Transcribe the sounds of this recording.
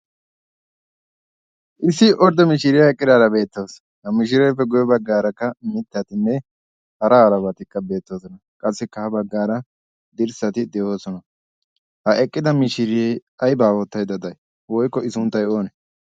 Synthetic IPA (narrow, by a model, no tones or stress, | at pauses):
ʔɪsːɪʔɔɾd̪ɔmɪʃɪɾɪjɐɛkʼːɪd̪aːɾɐbe̞ːt̪ːoːs | hɐmɪʃ̬ɪɾɛjfɛɡɔjɔbɐɡːaːɾɐkːɐmɪt̪ːɐt̪ɪnːɛ | hɐɾɐːɾɐbɐt̪ɪkːɐbe̞ːt̪ːo̞ːsɔnɐkʼɐsːɛkːɐhɐbɐɡːaːɾɐ | d̪ɪɾsɐt̪ɪd̪ɛo̞ːsɔnɐ | hɐʔɛkʼːɪd̪ɐmɪʃɪɾɪjɛjɐjbaːwɔt̪ːɐjd̪ɐd̪ɐj | wɔjkːɔɪsʊnt̪ːɐjo̞ːnɛ